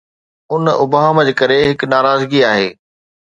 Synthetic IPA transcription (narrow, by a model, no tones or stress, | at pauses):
ʊnʊbaːməd͡ʑekɐɾeɦɪknaːɾaːzɡiaːɦḛː